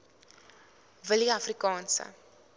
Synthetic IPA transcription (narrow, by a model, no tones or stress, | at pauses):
vəliɐfrikɑːnsə̰